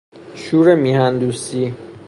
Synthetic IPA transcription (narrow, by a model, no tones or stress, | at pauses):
ʃuːɾemiːhænd̪uːsi